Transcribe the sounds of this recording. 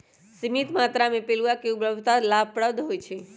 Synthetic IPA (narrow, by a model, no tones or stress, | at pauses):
simit̪maːt̪ɾamẽpeluakeubɾəbʱt̪alab̚pəɽəbd̪ʱɦojt͡ʃʰe